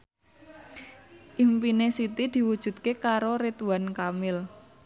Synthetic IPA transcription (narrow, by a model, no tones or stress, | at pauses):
ʔimpinesit̪id̪̥i̤wud̥ʒ̥ṳd̪̚kekaɾoɾit̪uankamɪl